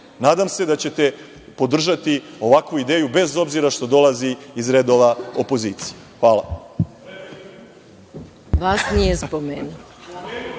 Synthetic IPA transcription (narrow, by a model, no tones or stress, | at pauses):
naːd̪amse̞d̪at͡ɕe̞t̪e̞ | po̞d̪r̩ʒat̪io̞ʋakʋuid̪e̞ːjube̞zo̞bziɾaʃt̪o̞d̪o̞laziːzɾed̪oʋao̞po̞ziːt̪sijexʋaːla̰ | ʋaːsnijespomeːnu